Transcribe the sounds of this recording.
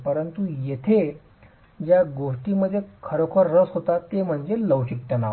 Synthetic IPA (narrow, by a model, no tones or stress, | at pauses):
pəɾənt̪ujet̪ʰe | d͡ʑjaɡoʂʈiːməd̪ʱːjekʰəɾokʰəɾːəsɦot̪at̪em̤əɳd͡zeləwɕik̚t̪ana